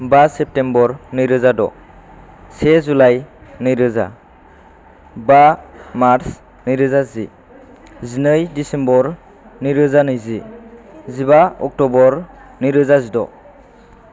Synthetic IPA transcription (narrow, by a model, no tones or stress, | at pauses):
basep̚tembɔɾnɯjɾɯzadɔ̰ | sezulajnɯjɾɯza̰ | bamaɾs | nɯjɾɯzazḭ | zinɯjdisembɔɾ | niɾɯzanɯjzi | zibaɔk̚tɔbɔɾnɯjɾɯzazidɔ